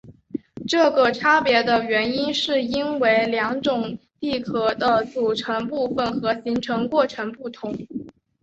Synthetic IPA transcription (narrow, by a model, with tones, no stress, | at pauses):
ʈ͡ʂɤ˥˩ɡə˨˩ʈ͡ʂʰa˥pjɛ˧˥d̪ə˧ɥɛ˧˥ni˥nʂɻ̩˥˩i˥nwe˧˥ɪljɑ˧˥ŋʈ͡ʂʊ˨˩ŋt̪i˥˩kʰɤ˨˥˩d̪ə˧t͡su˨˩ʈ͡ʂʰɤ˧˥ŋpu˥˩fə˨˩nxɤ˧˥ɕi˧˥ŋʈ͡ʂʰɤ˧˥ŋkwɔ˥˩ʈ͡ʂʰɤ˧˥ŋpu˥˩t̪ʰʊ˧˥ŋ